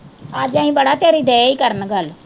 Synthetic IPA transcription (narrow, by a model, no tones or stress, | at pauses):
əd͡ʒãːĩːbəɽaːt̪jaːɾiːɖɛːiːkəɾənɡəl